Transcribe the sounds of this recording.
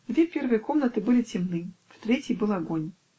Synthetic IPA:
d̪vʲeɛpʲɛrvɨjɐkɔmnɐt̪ɨbɨlʲit͡sʲɪmnɨ | ft̪ɾʲɛt͡sʲijbɨlˠaɡɔnʲ

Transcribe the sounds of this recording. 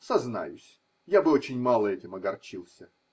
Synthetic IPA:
sɐzna̰jʊ̰sʲ | jabɨot͡ɕɪnʲmalˠəɛtʲɪmɐɡɐrt͡ɕilˠsʲə

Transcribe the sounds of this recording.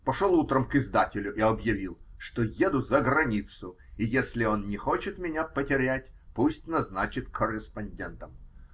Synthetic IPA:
pɐʂolˠut̪ɾəmkɪzd̪atʲɪlʲʊʔɪɐbjɪvʲilˠʂt̪ojed̪ʊzəɡɾɐnʲit̪sʊ | ɪjesʲlʲɪo̞nnʲɪxo̞t͡ɕɪt̪mʲɪnʲapətʲɪɾʲætʲpusʲtʲnɐznat͡ɕɪt̪kʰərʲːɪspɐnʲdʲent̪əm

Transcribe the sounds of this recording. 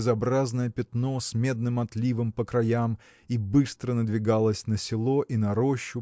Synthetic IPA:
zɐbɾaznəjəpʲɪt̪no̞sʲmʲe̞d̪nɨmɐt̪lʲivɨmpəkɾɐjam | ibɨst̪ɾənəd̪vʲɪɡalˠəsʲnəsʲɪlˠo̞ʔinɐɾoɕːʊ

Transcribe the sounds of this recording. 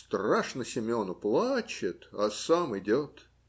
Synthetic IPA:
st̪raʂnəsʲɪmʲo̞nʊplˠat͡ɕɪt̪asamɪdʲot̪

